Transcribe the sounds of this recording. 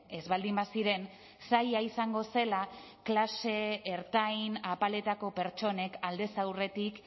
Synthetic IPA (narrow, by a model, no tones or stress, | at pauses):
e̞zβald̪imbasiɾe̞n | sajaisaŋɡo̞se̞la | klase̞ːɾt̪ajnapale̞t̪ako̞pe̞ɾt͡ʃo̞ne̞kald̪e̞sawre̞t̪ik